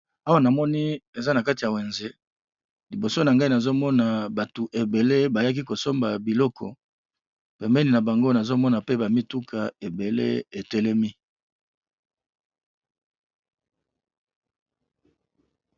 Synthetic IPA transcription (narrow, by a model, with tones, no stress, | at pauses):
a˦wa˦na˨mɔ˦ni˦e˨za˦na˨ka˦ti˨ja˨we˨nze˦ | li˨bo˨so˦na˨ŋɡa˦i˦na˨zo˦mɔ˦na˨ba˨tu˨ʔe˨be˨le˦ba˨ja˦k̬i˦ko˨so˦mba˨bi˨lɔ˦kʰɔ˨ | pɛ˨mbɛ˦ni˨na˨ba˨ŋɡo˦na˨zo˦mɔ˦na˨pe˦ba˨mi˦tu˦kʰa˨e˨be˨lḛ˦e˨te˦lɛ˦mi˦